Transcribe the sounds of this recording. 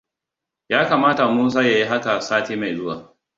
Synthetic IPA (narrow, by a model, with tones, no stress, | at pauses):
jaː˦kaː˨maː˦ta˨muː˦s̬aː˦ja˨ji˦ɦa˦ka˨saː˦tiː˦ma˨jzʊ˦waː˨